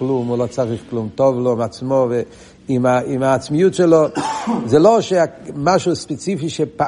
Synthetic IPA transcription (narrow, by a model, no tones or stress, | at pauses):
klumulot͡saʁiχklumtɔvlɔimat͡smɔvɛ | imaimaːt͡smijutʃɛlɔzɛloʃeamaʃuspɛt͡sifiʃepa